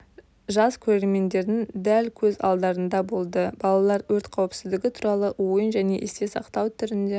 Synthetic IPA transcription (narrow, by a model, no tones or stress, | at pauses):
ʒɑskʲʰɵɾe̞ɾme̞nd̪e̞ɾd̪ɪŋd̪ælkʲʰɵzɑ̰lˠd̪ɑɾənd̪ɑbo̞lˠd̪əbɑlˠɑlˠɑɾwɵɾt̪qʰɑwəpsɪzd̪ɪɡʲɪt̪ʰuɾɑlˠəwojənʒæne̞̰ʔḛst̪e̞sɑqt̪ɑwt̪ʰʏɾɪnd̪e